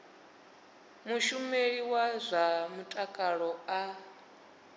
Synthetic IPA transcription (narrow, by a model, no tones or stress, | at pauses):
muʃumeɺiwazʷamutʼakʼaɺɔa